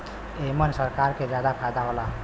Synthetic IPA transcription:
emənsəɾkaɾked͡ʒjad̪apʰajd̪aɦola

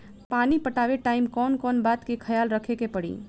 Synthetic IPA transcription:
panipəʈabeʈaimkɔnkɔnbat̪kekʰəjalɾəkʰekepəɽḭ

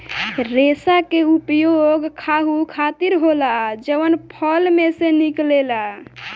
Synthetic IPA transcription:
ɾesakeupjoɡkʰaɦukʰat̪iɾɦolad͡ʒəʋənpʰəlmeseniklela

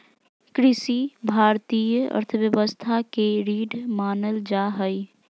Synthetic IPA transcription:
kɾɪsibʱaːɾt̪iːjəə̰ɾt̪ʰəbjəbəst̪ʰakeɾiːɖʱmaːnəld͡ʒaɦəj

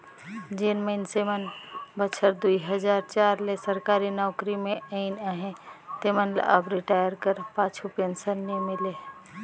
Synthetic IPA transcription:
d͡ʒenməɪnsemənbət͡ʃʰəɾd̪ujɦəd͡ʒaɾt͡ʃaɾlesəɾkaɾinɔkɾimeəɪnaɦẽt̪emənl̰ə̰bɾiʈajəɾkəɾpat͡ʃʰupensəɾnemile

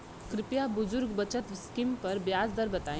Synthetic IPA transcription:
kɾɪpjabʊzuɾɡbət͡ʃət̪skimpɐɾbjaːd͡zd̪əɾbət̪ã

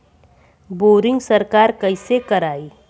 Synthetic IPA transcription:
boːɾɪ̃ŋɡsɐɾkaːɾkɐɪsekɐɾaːiː

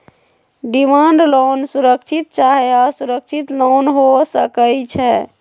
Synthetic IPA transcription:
ɖimaɳɖlonsuɾəkt͡ʃʰit̪̚t͡ʃaɦɛasuɾək̚t͡ʃʰit̪lonɦosəkət͡ʃʰɛ

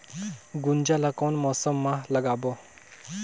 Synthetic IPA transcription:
ɡund͡ʑalakɔwnmɔsəmːaləɡabɔ

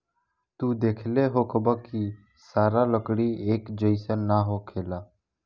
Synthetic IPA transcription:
t̪uːd̪eːkʰleɦokʰəbaki | saːɾaləkɽieːkd͡ʒəɪsənːaɦokʰeːlaː

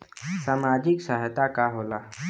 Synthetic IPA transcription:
saːmaːd͡ʒɪksəɦt̪akaɦoːlaː

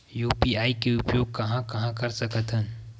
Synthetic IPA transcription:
juːpiaːikeʊpjoːɡ̚kɐɦãkɐɦãkɐɾsɐkət̪ɦən

